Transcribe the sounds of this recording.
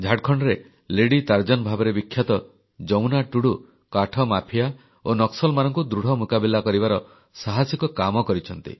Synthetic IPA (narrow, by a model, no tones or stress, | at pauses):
d͡ʒʱaʈ̚kʰɔɳɖɔɾe | leɽit̪aɾd͡ʒɔnbʱabɔɾebikʰːjat̪ɔ | d͡ʒɔwnaʈuɽu | kaʈʰɔmapʰija | onɔksɔlmanɔŋkud̪ɾuɽ̤ɔmukabilakɔɾibaɾɔ | saɦasikɔkamɔkɔɾit͡ʃʰɔnt̪ḭ